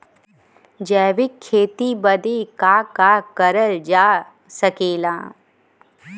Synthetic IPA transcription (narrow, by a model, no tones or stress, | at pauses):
d͡ʒɛːʋɪkʰːeːt̪ibəd̪eːkaːkaːkəɾəld͡ʒaː | səkeːlãː